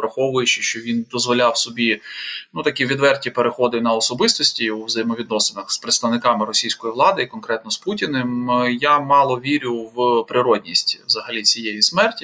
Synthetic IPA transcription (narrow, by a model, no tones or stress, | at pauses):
pɾɐxɔʋʊjʊt͡ʃɪʃt͡ʃɔʋʲind̪ɔzʋɔlʲawsɔbʲinut̪ɐkʲiʋʲid̪ʋɛrtʲipeɾexɔd̪ɪnɐɔsɔbɪst̪ɔsʲtʲiuzɐjmɔʋʲid̪̚nɔsenɐxspɾɪt̪st̪ɐʋwnɪkɑmɪɾɔsʲijsʲkɔjiʋlˠɑd̪ɪikɔnkɾɛt̪nɔsputʲinemjamɑlˠɔʋʲiɾʲʊwpɾɪɾɔdʲnʲisʲtʲʋzɐɦɐlʲit͡sʲijɛjismɛrtʲi